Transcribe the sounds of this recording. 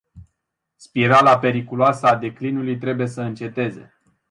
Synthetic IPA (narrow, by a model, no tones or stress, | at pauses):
spiɾalape̞ɾikuloasəad̪e̞klinulujt̪ɾe̞buje̞səɨnt͡ʃe̞t̪e̞ze̞̰